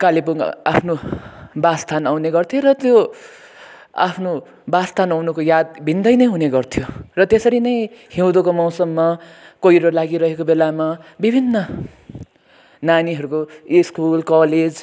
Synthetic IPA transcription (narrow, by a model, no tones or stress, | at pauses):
kalipuŋa̰pʰnobast̪ʰanawneɡʌrt̪ʰjoɾʌt̪jo | a̰pʰno | bast̪ʰanawnukojad̪̚bʱind̪ʌjnʌjɦuneɡʌrt̪ʰijorʌt̪esʌɾinʌjhiw̃d̪okomaw̃sʌmːʌkʌiɾʌlaɡiɾʌɦekobelamabibʱinːʌ | naniɦʌɾukoiskulkʌled͡z